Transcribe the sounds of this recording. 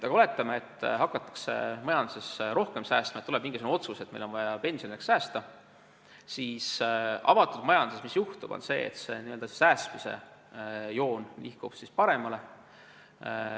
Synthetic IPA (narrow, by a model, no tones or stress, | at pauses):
t̪ɑɡɑo̞le̞t̪ːˑɑmeet̪ːˑɦɑkːˑɑt̪ːˑɑ̥ksḛmɑjɑnd̪̥sesɾo̞hke̞msæːst̪mɑet̪uleb̥miŋɡisunuo̞t̪suse̞t̪ːmejlo̞nvɑjɑpe̞nsioniekssæːst̪ɑ | siːsɑ̰mɑt̪ːˑud̪mɑjɑnusemisjuht̪ub̥o̞̰nse̞̰ːḛt̪se̞̰niø̞ld̪̥ɑse̥sæːsmise̞̰ | jo̞ːnlihkub̥sispɑɾe̞mɑle̞